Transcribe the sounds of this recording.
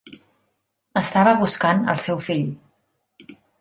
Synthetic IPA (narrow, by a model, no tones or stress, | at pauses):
əst̪aβəβuskanə̰lˠsɛwfiʎ